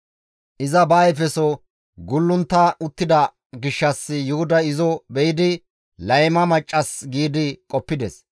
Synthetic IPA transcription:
ʔɪzɐbɐːjɛfɛsɔ | ɡʊlːʊnt̪ːɐʊt̪ːɪd̪ɐ | ɡɪʃːɐsːɪjʊhʊd̪ɐɪzɔbɛjɪd̪ɪ | lɐjmɐmɐt͡ʃʼːɐsɡiːd̪ɪkʼɔpːɪd̪ɛs

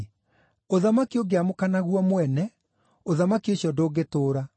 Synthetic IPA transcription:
oðamakioɡeamokanaɣwɔmwɛnɛ | oðamakioɕjɔdoːɡetoːɾa

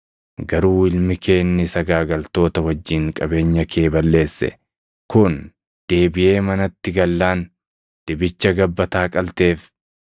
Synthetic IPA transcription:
ɡɐɾuːɪlmɪkʰe̞ːnːɪsɐɡaːɡɐlt̪o̞ːt̪ɐwɐd͡ʒːiːŋkʼɐbe̞ːɲːɐkʰe̞ːbɐlːe̞ːsːɛ̰ | kʊn | d̪̥e̞ːbɪje̞ːmɐnɐt̪ːɪɡɐlːaːn | d̪̥ɪbɪt͡ʃːɐɡɐbːɐt̪aːkʼɐlt̪e̞ːf

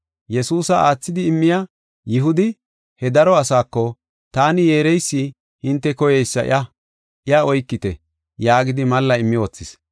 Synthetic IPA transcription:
jɛsuːsɐaːt͡sːɪd̪ɪːmːɪja | jɪɦʊd̪ɪ | hɛd̪ɐɾɔɐsaːkːɔ | t̪aːnɪje̞ːɾɛjsːɪ | hɪnt̪ːɛkɔjɛjsːɐʔɪ̰ʔɐ | ɪɐɔjkːɪt̪ɛ | jaːɡɪd̪ɪmɐlːɐɪmːɪoːt͡sːɪs

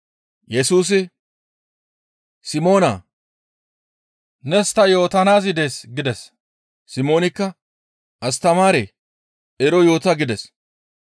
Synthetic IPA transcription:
jɛsuːs̬ɪ | sɪmo̞ːnɐ̰ | nɛst̪ɐjo̞ːt̪ɐnaːzɪd̪eːsɡɪd̪ɛs | sɪmo̞ːnɪkːɐ | ʔɐst̪ɐmaːɾe | ʔɛɾɔjo̞ːt̪ɐɡɪd̪ɛs

